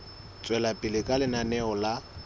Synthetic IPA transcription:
t͡sʼwɛlapʼɪlɪkʼalɪnanɛɔla

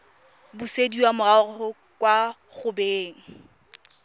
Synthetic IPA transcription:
bʊsediwamʊaʊʊ | kʼwa | χʊbeːŋ̩

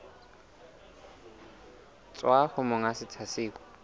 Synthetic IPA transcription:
t͡sʼwaχʊmʊŋasɪt͡sʰasɪːkɔ̥

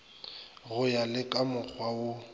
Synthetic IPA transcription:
ɣʊjalɪkʼamʊk͡xʰwaʊ

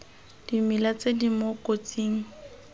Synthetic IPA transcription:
d̥imilat͡sedimokʼot͡sʼiːŋ̩

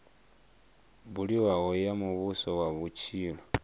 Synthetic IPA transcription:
βuliwaɣojamuβusoβwaβut͡ʃilo

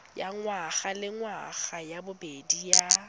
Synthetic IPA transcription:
jaŋwaɣalɪŋwaɣajabʊbedija

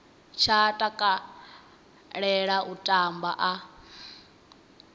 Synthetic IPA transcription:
t͡ʃʰatʼakʼa | ɺɛɺaʔutʼamba̰ʔa

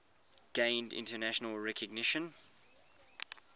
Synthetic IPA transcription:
ɡ̥ẽɪ̃ndɪ̰̃ntənæʃənəlˠɹɛkʰəɡnɪʃə̃n

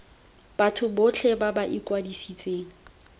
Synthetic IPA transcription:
b̥atʰʊbʊt͡ɬʰɛbabaʔikwadisit͡sʼeːŋ̩

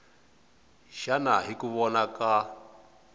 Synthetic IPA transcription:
ʃana̰ɦikuβɔnaka

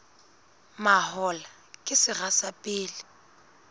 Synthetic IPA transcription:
mahɔla | kʼɪsɪrasapʼɪːlɪ

